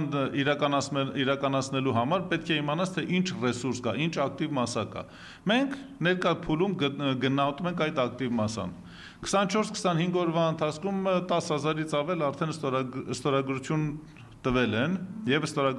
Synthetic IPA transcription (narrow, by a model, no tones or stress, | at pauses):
niɾɑkɑnɑɛiɾɑkɑnɑt͡sʰnɛluɦɑmɑɾpɛt̪̚kʰɛimɑnɑt͡sʰt̪ʰɛʔint͡ʃʰrɛsuɾskɑint͡ʃʰɑk̚t̪ivmɑsɑkɑ̰ | mɛŋkʰ | nɛɾkɑpʰulumɡənɑɦɔt̪umɛŋkʰɑjt̪ɑk̚t̪ivmɑsɑ̰n | kʰə̥sɑnːət͡ʃʰɔɾskʰə̥sɑnhiŋɡɔɾvɑənt̪ʰɑt͡sʰkʰumt̪ɑshɑzɑɾit͡sʰɑvɛlɑɾt̪ʰɛnsɔst̪ɔɾɑɡɾut͡sʰjun | t̪əvɛlɛnjɛvəst̪ɔɾɑɡ